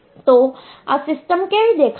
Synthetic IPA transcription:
t̪o | a̰sɪsʈəmkeʋid̪ekʰ

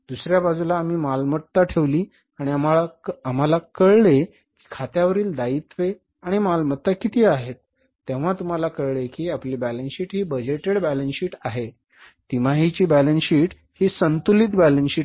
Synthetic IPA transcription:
d̪usɾjabad͡zulaːm̤iːmalmət̪ːaʈʰeʋliː | aɽ̃iamalaam̤alakəɭɭe | ki̥ːkʰat̪jaʋəɾiːld̪ait̪ʋe | aɽ̃imalmət̪ːakit̪iːaɦet̪ː | eʋ̤at̪um̤alakəɭɭekiːapliːbælənɕiːʈɦiːbəd͡ʑeʈeɽbælənsiːʈaɦe | t̪im̤aɦit͡ɕiːbælənɕiːʈ | hiːsənt̪ulit̪bælənɕiː

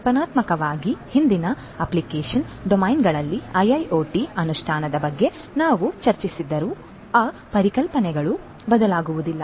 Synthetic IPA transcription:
pɐnaːt̪mɐkɐʋaːɡihind̪inɐ | ɐplikeːʂɐnɖomɐjnɡɐɭɐlːiɐjɐjʔoːʈiɐnuʂʈʰaːnɐd̪ɐbɐɡːe̞ | naːʋut͡ʃɐɾt͡ʃisid̪ːɐɾu | aːpɐɾikɐlpɐnɛɡɐɭu | bɐd̪ɐlaːɡuʋud̪ilːɐ

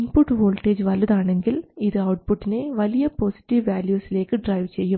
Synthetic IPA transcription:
inpuʈːɦoːlʈeːd͡ʑʋɐlːɐðaːɳe̞ŋɡiliðɨɐwʈ̚puʈːineʋɐlijɐpoːsi̥ʈːiʋʋaːljuːsile̞ːkːɨɖrɐjʋt͡ɕejːum

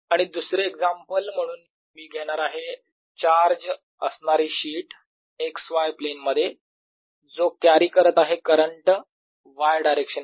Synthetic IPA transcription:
aɽ̃id̪usɾeːɡd͡zampəlm̤əɽ̃uːn | miːɡʱeɽ̃aɾaɦe | t͡ɕaɾd͡ʑ | əsɳaɾiːɕiːʈ | eksʋajplenməd̪ʱːje | d͡zokjaɾiːkəɾət̪aɦekəɾəɳʈ | ʋajɖajɾekɕən

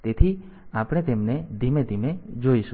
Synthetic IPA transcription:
t̪et̪ʰi | apɽ̃et̪emned̪ʱimed̪ʱimed͡ʒojsu

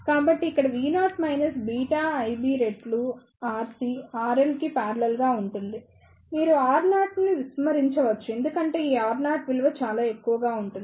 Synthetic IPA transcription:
kaːbɐʈːiːkːɐɽɐʋiːnaːʈmɐjnɐsbiːʈaːɐjbiːɾe̞ɖlu | aːɾsiaːɾelkipaːɾɐlɐlɡaːuɳʈund̪i | miːɾuaːɾnaːʈniʋismɐɾiɲt͡ʃɐʋɐt͡ʃːue̞nd̪ukɐɳʈe̞ːiːaːɾnaːʈʋilʋɐt͡ʃaːlaːe̞kːuʋɐɡaːuɳʈund̪i

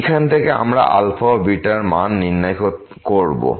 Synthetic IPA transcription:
kʰant̪ʰekea̰mɾa̰ʔa̰lfʰabiʈaɾmanːiɾnajkot̪ | koɾbo̰

